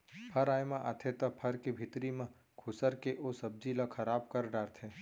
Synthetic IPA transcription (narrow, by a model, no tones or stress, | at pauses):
pʰɐɾaːjmãʔat̪ʰet̪ɐpʰəɾkebʱɪt̪ɾimã | kʰʊsəɾkeʔosɐb̚d͡ʒilakʰɐɾaːbkɐɾɖaːɾt̪ʰẽ